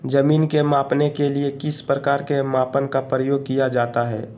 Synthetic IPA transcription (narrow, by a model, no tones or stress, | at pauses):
d͡ʒɐmiːnkemaːpnekeliekɪspɾəkaːɾkemaːpənkapɾəjoːɡ̚kijad͡ʒaːt̪aɦɛ̰ː